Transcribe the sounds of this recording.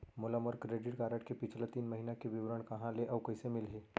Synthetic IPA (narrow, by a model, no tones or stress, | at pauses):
mʊlaməɾkɾeːɖɪʈ̚ɡaːɾəʈkepɪt͡ʃʰlat̪iːnməɦinakeʋiʋɾəɳ̃kɐɦãleʔɔːwkɐɦsemɪlɦeː